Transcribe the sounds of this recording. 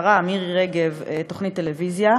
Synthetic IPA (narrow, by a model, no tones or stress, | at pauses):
ʁaːmiʁʁeɡevetoχnit̪ːelevizja